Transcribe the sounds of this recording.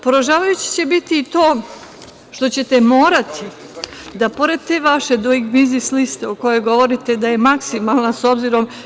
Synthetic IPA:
po̞ɾoʒaːʋajut͡ɕi̥t͡ɕe̞bit̪iːt̪o̞ː | ʃt̪o̞t͡ɕe̞t̪e̞mo̞ːɾat̪ʰi | d̪apo̞ɾe̞d̪̚t̪e̞ʋaʃe̞d̪oiɡmizislist̪eoko̞jo̞ɡo̞ʋo̞ɾit̪e̞d̪aje̞maksimalˠnaso̞bziɾo̞m

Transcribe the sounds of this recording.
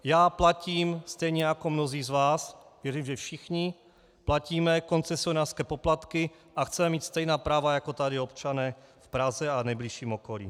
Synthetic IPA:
jaːplaciːmst̪ɛjɲɛjakomnoziːzvaːsvjɛɾiːmʒɛfʃɪxɲɪ | placiːmɛko̞nt͡sɛsionaːrskɛːpoplat̪kɪ | ʔaxt͡sɛmɛmiːt̪st̪ɛjnaːpɾaːvajakot̪adɪopt͡ʃanɛːfpɾazɛanɛjbliʃiːmokolḭː

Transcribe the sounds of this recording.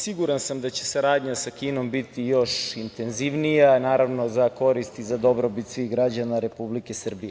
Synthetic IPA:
siɡuɾansamd̪at͡ɕe̞̥saɾaːd̪ɲasakiːno̞mbit̪ijo̞ʃint̪e̞nziʋnijanaːɾaʋno̞zako̞ɾist̪izad̪o̞bɾobit̪sʋiɣɡɾad͡ʑanaɾe̞publike̞sr̩bije

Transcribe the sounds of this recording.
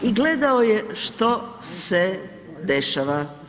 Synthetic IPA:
iɡled̪aojeʃt̪ose | d̪eʃaʋa

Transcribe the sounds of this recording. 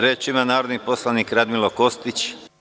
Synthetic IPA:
ɾeːt͡ʃimanaːɾod̪nipo̞slˠaniːkɾad̪miloko̞st̪it͡ʃ

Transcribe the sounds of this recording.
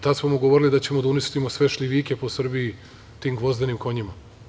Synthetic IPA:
t̪ad̪smomoɡoʋoɾilid̪at͡ɕe̞mod̪aunist̪imo̞sʋe̞ʃʎʲiʋikʲe̞posr̩bii | t̪imɡʋo̞zd̪enimko̞ɲima

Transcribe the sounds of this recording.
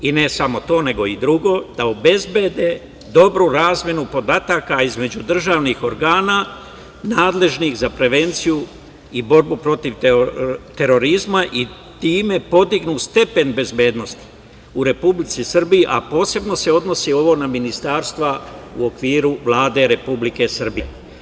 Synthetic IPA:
ine̞samo̞t̪o̞ːne̞ɡo̞id̪ɾuɡo̞ːd̪̥aobe̞zbe̞d̪e̞ | d̪o̞bɾuɾaːzmje̞nupo̞d̪at̪akaizme̞d͡ʑud̪r̩ʒaːʋnixo̞ɾɡaːnaː | naːd̪le̞ʒnixzapɾe̞ʋe̞nt̪siju | ibo̞ɾbupɾo̞t̪iʋ | t̪e̞ɾo̞ɾizmaʔi | t̪iːme̞po̞d̪iɡnust̪e̞pe̞nbe̞zbe̞ːd̪no̞st̪i̥ | uɾe̞publit̪sisr̩bijiʔapo̞ːse̞bno̞se̞o̞d̪no̞sio̞ʋo̞naminist̪aːɾst̪ʋauo̞kʋiːɾuʋlˠaːd̪e̞ɾe̞publike̞sr̩bie

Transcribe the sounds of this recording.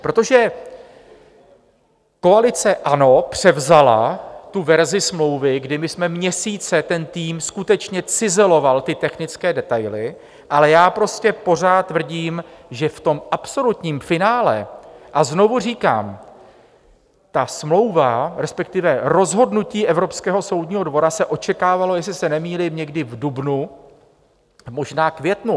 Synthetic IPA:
pɾot̪o̞ʒɛ | ko̞alɪt͡sɛʔano̞pr̝̥ɛvzala̰t̪uvɛɾzɪsmlo̞wvɪɡdɪmɪsmɛmɲɛsiːt͡sɛt̪ɛnt̪iːmskut̪ɛt͡ʃɲɛt͡sɪzɛlo̞valt̪ɪt̪ɛxnɪt͡skɛːdɛt̪ajlɪ | ʔalɛjaːpɾo̞scɛpo̞r̝aːt̪t̪ːvr̩ɟiːmʒɛft̪o̞mʔapso̞lut̪ɲiːmfɪnaːlɛ̰ʔazno̞vuriːka̰ːm | t̪asmlo̞wvaɾɛspɛkt̪ɪvɛɾo̞zɦo̞dnuciːʔɛvɾo̞pskɛːɦo̞so̞wdɲiːɦo̞dvo̞ɾasɛʔo̞t͡ʃɛkaːvalo̞jɛs̬lɪsɛnɛmiːlɪmɲɛɡdɪvdubnu | mo̞ʒnaːkvjɛt̪nu

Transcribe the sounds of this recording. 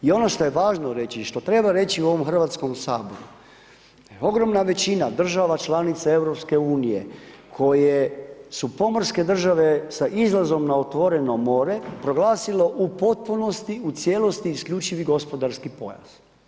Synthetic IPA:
io̞no̞ʃt̪o̞jeʋaːʒnoɾe̞t͡ɕiʃt̪o̞t̪ɾe̞baɾe̞t͡ɕiuo̞ʋo̞mxr̩ʋat̪sko̞msaːbo̞̰ɾu | o̞ɡɾo̞mnaʋe̞t͡ɕinad̪r̩ʒaʋat͡ʃlanit̪sae̞ʋɾopske̞uːnije̞̰ | kʰo̞jesupo̞moɾske̞d̪r̩ʒaʋe̞saʔizlˠazo̞mnaot̪ʋo̞ɾe̞no̞mo̞ːɾe̞pɾo̞ɡlaːsilo̞ʔupo̞t̪̚puno̞st̪iut̪sjelo̞st̪iːskʎuːt͡ʃiʋiɡo̞spo̞d̪aɾskipo̞̰ja̰z̥

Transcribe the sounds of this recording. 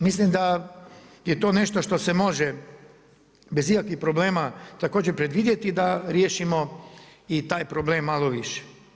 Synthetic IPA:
mislimd̪a | jet̪o̞ːne̞ʃt̪oʃt̪o̞semo̞ʒe | be̞ziakʋixpɾo̞ble̞ːmat̪akoːd͡ʑepɾe̞d̪ʋid̪je̞t̪id̪aɾjeːʃimo̞it̪aːjpɾoble̞ːmːalˠoʋiʃe̥

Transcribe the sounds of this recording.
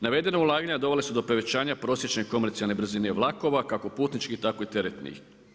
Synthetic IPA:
naʋe̞d̪e̞noulˠaːɡaɲad̪o̞ʋe̞lesud̪o̞pɾe̞ʋe̞t͡ɕaːɲapɾo̞ːsjet͡ʃneko̞meɾt̪sijalne̞bɾr̩zine̞ʋlˠako̞ʋakako̞puːt̪nit͡ʃkit̪ako̞it̪e̞ɾet̪nḭ

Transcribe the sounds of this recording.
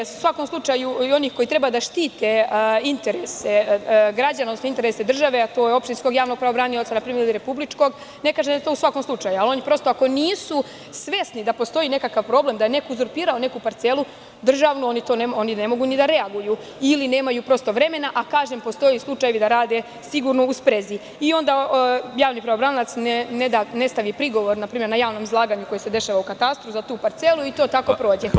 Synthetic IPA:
u̥sʋako̞mslˠut͡ʃajuio̞niːxko̞it̪ɾe̞bad̪aʃt̪iːt̪eint̪e̞ɾeseɡɾad͡ʑanod̪osnoint̪eɾesed̪r̩ʒaʋeat̪ojeo̞pʃt̪insko̞ɡjaːʋnoɡ̚pɾaʋobɾaːniot̪sanapɾimeɾiliɾe̞publit͡ʃko̞ɡ | ne̞kaːʒed̪aet̪o̞usʋakomslˠut͡ʂajualo̞nipɾo̞st̪o̞ako̞niːsu | sʋe̞snid̪apo̞st̪o̞jiːne̞kakaʋpɾo̞blemd̪ajene̞kouzoɾpiːɾaone̞kupaɾt̪selˠu | d̪r̩ʒaʋnoonit̪oːnemo̞nine̞mo̞ɡunid̪aɾe̞aɡuju | ilineːmajuːpɾo̞st̪o̞ʋɾe̞me̞naʔakaːʒempo̞st̪o̞jislˠut͡ʃaje̞ʋid̪aɾaːd̪e̞ | siɡuɾno̞uspɾezi | io̞nd̪ajaːʋnipɾaobɾanlat̪snened̪ane̞st̪aʋipɾiɡo̞ʋo̞ɾnapɾiːmʲjenajaːʋno̞ːmizlˠaːɡaɲuko̞jese̞d̪e̞ʃaːʋaukat̪ast̪ɾuzat̪uːpaɾt̪se̞lˠuit̪o̞ːt̪ako̞pɾo̞ːd͡ʑe

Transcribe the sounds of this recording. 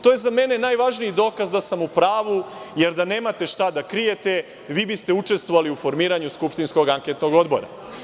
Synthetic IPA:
t̪oːjezame̞ne̞najʋaʒniid̪o̞ːkazd̪asamupɾaːʋuje̞ɾd̪ane̞ːmat̪e̞ʃt̪ad̪akɾije̞t̪e̞ | ʋiːbist̪e̞ut͡ʂe̞st̪ʋoʋaliufo̞ɾmiːɾaɲuskupʃt̪insko̞ɡaŋket̪no̞ɡo̞d̪bo̞̰ɾa̰

